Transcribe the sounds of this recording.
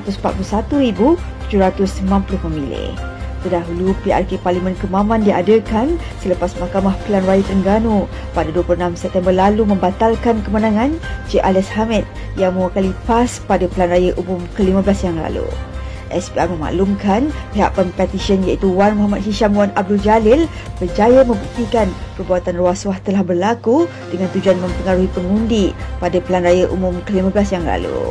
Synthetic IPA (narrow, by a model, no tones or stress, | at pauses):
at̪usmpat̪̚pulusat̪uɾibut̪ud͡ʒuɾat̪ʊsmãnpulʊhməmilḛ | t̪ərdaɦulupiʔa̰rkeparlimə̃nkəmãmãndia̰dəkan | sələpasmakamahpəlanrajət̪əəŋɡanũ | padaduəpuluənamsɛp̚t̪ɛmbərlalumə̃mbat̪alkankəmanãŋãnd͡ʒeʔalɛshamɛt̪̚ | jaŋmawakalipaspadapəlanrajəʔumʊmkəliməbəlasjaŋla̰lṵ | ʔɛspiamə̃ma̰ʔlumkanpeɦa̰ʔkɔmpɛt̪iʃənjait̪uwanmoɦamat̪̚hiʃamwanab̚duld͡ʒalɪl | b̥ərd͡ʒajəmə̃mbut̪ikanpərbuat̪anruaswaht̪əlahbərlaku | dəŋant̪ud͡ʒuanmə̃mpəŋaɾuɦipəŋundipadapəlanrajəʔṵmumkəlimə̃bəlasjaŋla̰lṵ